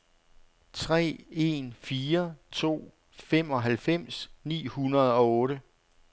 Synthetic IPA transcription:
t͡sʰʁɛ̰ːe̝nfiːɐt͡sʰo̝̰ː | fem̰ɒ̽ɦælfem̰snḭːhunɐð̞̩ˠɒ̽ɔ̽ːɾə

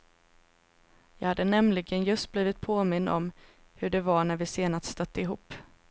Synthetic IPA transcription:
jɑːɡhad̪ːənɛmlɪɡənjɵst̪̚bliːvɪt̪̚pʰoːmɪnːɔ̰m | hɵɖɛvaɳæɾvɪseːnast̪st̪œt̪ːəɪɦuːpː

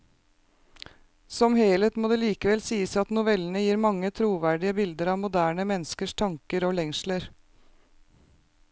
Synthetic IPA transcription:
sɔmheːlət̪moːd̪eːliːkəʋɛlsiːəsɑt̪nʊʋɛlnəjiːɾmɑŋːət̪ʰɾuːʋæɖɪəbɪld̪əɾɑːʋmʊd̪æːɳəmɛnːskəʂt̪ʰɑŋkəɾoːlɛŋsləɾ

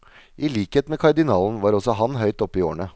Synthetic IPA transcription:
ʔɪliːkheːt̪meːkʰɑɖ̪ɪnɑːln̩ʋɑːɾɔsɔɦɑnɦœʏt̪ɔpːɪo̰ːɳə

